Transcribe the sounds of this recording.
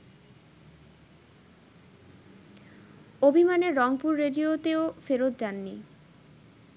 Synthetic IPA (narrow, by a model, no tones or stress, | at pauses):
obʱimaneɾːɔŋpuɾːeɖiot̪eofeɾot̪̚d͡ʑanːi